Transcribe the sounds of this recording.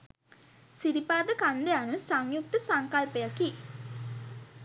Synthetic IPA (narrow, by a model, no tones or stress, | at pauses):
siɾipaːd̪əkand̪ejanusaŋjuk̚t̪əsaŋkalpejaki